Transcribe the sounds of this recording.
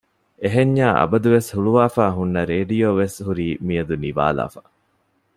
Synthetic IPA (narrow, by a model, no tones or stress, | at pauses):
eɦeɲːaːʔɐ̰bɐd̪uʋeshuɭuʋaːfaːɦunːɐɾeːɖijoːʋesɦuɾiːmijɐd̪uniʋa̰ːla̰ːfɐ̥